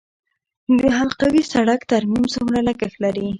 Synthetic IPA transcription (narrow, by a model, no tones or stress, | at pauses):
d̪əɦalqawisaɽakt̪aɾmimsʊmɾaləɡəxlaɾi